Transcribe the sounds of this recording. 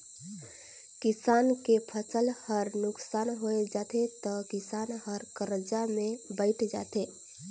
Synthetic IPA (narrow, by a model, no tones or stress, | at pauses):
kɪsaːnkepʰəsəlhəɾnʊksaːnɦoed͡ʒaːt̪et̪ɔkɪsaːnɦəɾkəɾəd͡ʒamẽbəɪʈʰd͡ʒa̰ːt̪eː